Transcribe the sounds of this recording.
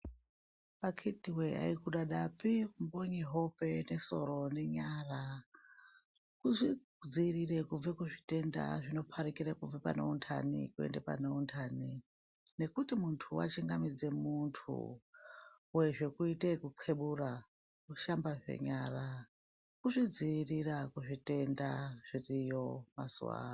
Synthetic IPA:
pakʰitiwea̰ikuɗaɗapikumbo̞ɲeɦo̞pe̞ne̞so̞ɾo̞ne̞ɲaːra | kuʐi | d͡zirirekub͡vekuʐite̞nda̰ʐino̞pʰaɾikiɾekuvepa̰no̰untʰa̰nḭkuḛndepa̰nountʰaːni | ne̞kutimuntʰuwa̰t͡ʃiŋɡamid͡ze̞muntʰṵ | weʐe̞kuitekuǀʰe̞ɓura | kuʃambaʐe̞̰ɲara | kuʐid͡ziirirakuʐite̞ndaʐ̥irijo̞ma̰sṵwa̰ːna

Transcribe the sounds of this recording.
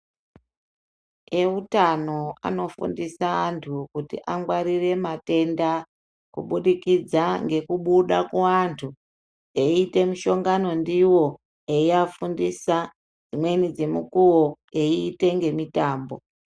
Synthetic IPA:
e̞utano̞a̰no̞fṵndisaːntʰukutḭʔaŋɡwaɾire̞mate̞nda | kṵɓuɗikid͡zaŋɡe̞kuɓuɗakuantʰu | eːte̞miʃo̞ŋɡano̞ndiwo̞ | eiafundisa | d͡zimwe̞nid͡ze̞mukuwo | e̞iːte̞ŋɡe̞mitaːmbo̞̰

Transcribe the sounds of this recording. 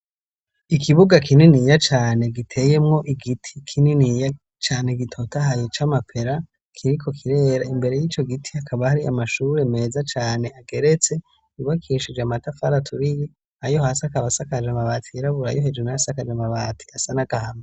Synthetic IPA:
ikʰiβuɡakʰininijat͡ʃaːne̞ɡitʰe̞ːje̞mŋo̞ʔiɡitʰi̥kʰininija | t͡ʃaːne̞ɡitʰo̞taɦajet͡ʃamapʰe̞ɾa | kʰiɾikʰo̞kʰiɾe̞ːɾaimbe̞ɾe̞jiːt͡ʃo̞ɡitʰiakʰaβahaɾiʔa̰maʃuɾe̞me̞ːzat͡ʃaːne̞aɡe̞ɾe̞t͡se̞ | uβakʰiʃid͡ʒeamatafaɾatʰuɾiji | ajo̞hasakaβasakad͡ʒamaβaːtʰiiɾaβuɾa̰joɦed͡ʒwenajasakad͡ʒamaβaːtʰi̥asanaɡ̥ahame

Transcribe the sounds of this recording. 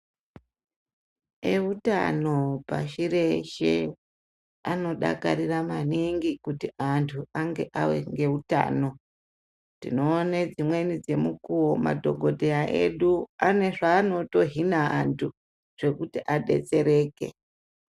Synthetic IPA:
euta̰no̞pa̰ʃire̞ʃḛ | ano̞ɗa̰kaɾiramaniŋɡikutiʔantʰuaŋɡe̞ʔawe̞̰ŋɡe̞uta̰ːno̞ | tḭno̞ːned͡zimwe̞nid͡ze̞mukuwoma̰dʱo̞ɡʱo̞dʱeaʔḛɗuane̞ʐaːno̞to̞ɦinaantʰu | ʐ̥e̞kutiʔaɗe̞̰t͡se̞ɾeːke̞̰

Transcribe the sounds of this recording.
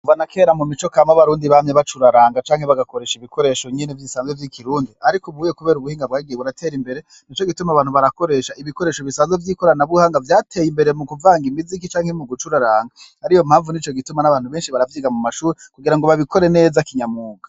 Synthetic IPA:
uvanakʰe̞ːɾamumit͡ʃo̞kamaβaɾuːndiβamɲeβat͡ʃuɾaɾaːŋɡat͡ʃaːŋhe̞βaɡakoɾe̞ːʃiβiko̞ɾe̞ʃo̞ɲenevjisaːnzevjikʰiɾuːndiaɾikuβuːjekuβe̞ːɾuβuhiːŋɡabɡaːiɡijeβuɾatʰe̞ːɾimbe̞ɾe̞ | nit͡ʃo̞ɡitumaβaːn̥uβaɾako̞ɾe̞ʃaiβiko̞ɾeːʃoβisaːnzevjiːko̞ɾanaβuhaːŋɡavjaːtʰe̞jimbe̞ɾe̞mukuvaːŋɡimizik̬it͡ʃaːŋhemuɡut͡ʃuɾaɾaːŋɡahaɾijom̥haːɱvunit͡ʃo̞ɡitumanaβaːn̥huβeːnʃiβaɾavjiːɡamumaʃuːɾekuɡiɾaŋɡo̞βaβikʰo̞ɾe̞ne̞ːzakiɲamuːɡa

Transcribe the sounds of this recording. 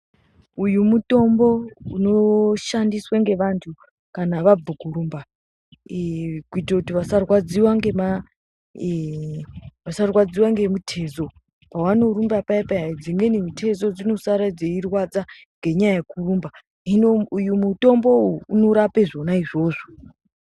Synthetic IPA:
ujumuto̞mbo̞uno̞ʃandiswaŋɡe̞ʋantʰu | kanaʋab͡vuɡʱuɾumba | kuitakutiʋasarwad͡ziwaŋɡe̞ma | ʋasarwad͡ziwaŋɡe̞mutʰe̞zo̞ | pawano̞ɾumbapaipaaid͡ziŋenimutʰe̞zo̞d͡zino̞saɾad͡zeirwad͡za | ŋɡe̞ɲajajekurumba | inujumuto̞mbo̞uuno̞ɾapeʐo̞naiʐo̞ːʐo

